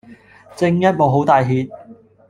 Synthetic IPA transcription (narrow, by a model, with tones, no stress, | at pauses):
t͡sɪ˧ŋjɐ˥t̚mo˨wɦo˨˥wt̪aː˨jɦiː˨t̚